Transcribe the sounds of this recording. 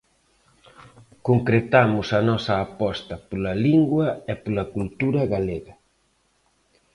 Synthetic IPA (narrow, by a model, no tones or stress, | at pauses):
koŋkɾet̪amʊsɐnɔsɐːpɔst̪ɐpolɐliŋɡwɐɛpolɐkult̪uɾɐɣaleɣɐ